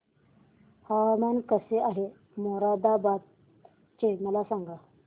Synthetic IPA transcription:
hamankəseʔaɦe | moɾad̪abat̪̚ | t͡ʃeməlasaŋɡa

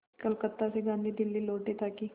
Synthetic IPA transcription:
kəlkət̪ːaseɡãnd̪ʱiːd̪ɪlːiːloːʈ̚d̪et̪akiː

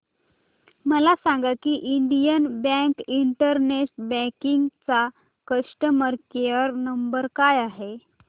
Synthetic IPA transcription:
məlasaŋɡakiːʔiɳɖijənbɛ̃kiɳʈəɾneʈbɛ̃kiŋɡt͡sa | kəsʈəməɾkeəɾnəmbəɾkajaɦe

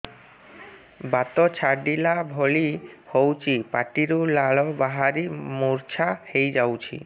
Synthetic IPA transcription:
bat̪ɔt͡ɕʰaɖilabʱoɭihowt͡ʃʰipaʈiɾulaɭɔbaɦaɾimuɾt͡ɕʰahejd͡ʒawt͡ʃʰḭ

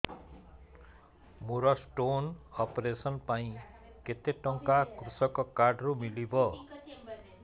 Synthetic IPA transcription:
muɾʌsʈonʌpɾesʌnpaĩ | ket̪eʈʌŋkakrusʌkɔkaɖrumilibʌ

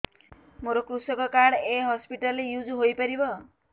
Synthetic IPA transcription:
moɾokrusʌkʌkaɽeɦʌspiʈʌlːejud͡zuɦojpʌɾibʌ

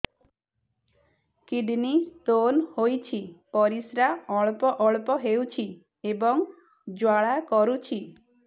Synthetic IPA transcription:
kiɖnit̪onhojt͡ʃʰipɔɾisɾaɔɭpɔʔɔɭpɔɦewt͡ʃʰi | ebɔŋ | d͡ʒwaɭakɔɾut͡ʃʰi

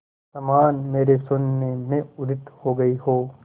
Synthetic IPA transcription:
sɐmaːnmeːɾesʊnːemẽʊɾɪt̪hoɡɐiɦoː

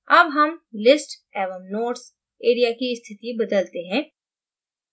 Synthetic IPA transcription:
ɐbɦɐmlɪsʈ | ɛːʋəmnoːʈs | eːɾijakiɪst̪ʰɪt̪ibɐd̪əlt̪eɦɛ̃ː

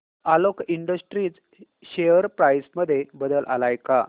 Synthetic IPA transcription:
alokiɳɖəsʈɾiːt͡s | ɕejəɾpɾajsməd̪ʱːjebəd̪əlʔa̰lajka

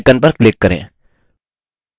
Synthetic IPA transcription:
kənpəɾkleːkːəɾḛ̃ː

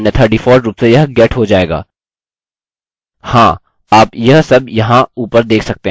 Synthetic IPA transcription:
nɐt̪ʰəɾʈiːfoːɾɾuːpsejɐɦɡɛːʈʰɦod͡ʒaːeːɡa̰ː | hãː | aːpjɐɦsɐbjɐɦãuːpəɾd̪eːkʰsɐk̚t̪eɦ

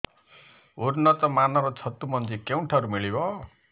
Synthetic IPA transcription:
urnʌt̪ɔmanʌɾɔt͡sʰʌt̪ːumʌnd͡zikewɳʈʰaɾumiɭibɔ

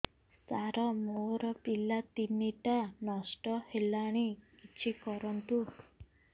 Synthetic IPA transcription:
saɾɔmoɾɔpilat̪iniʈanɔsʈɔhelaɽ̃ikit͡ʃʰikɔɾɔnt̪u

